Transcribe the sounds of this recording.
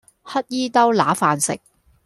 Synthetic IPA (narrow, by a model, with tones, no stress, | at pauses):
hɐ˥t̚jiː˥t̪ɐ˥wlaː˨˥faː˨nsɪ̰˨k̚